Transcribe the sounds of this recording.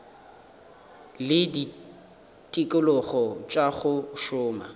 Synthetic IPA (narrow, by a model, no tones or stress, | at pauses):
lɪdi | tʼikʼʊlʊχɔt͡ʃʼaχʊʃʊːma̰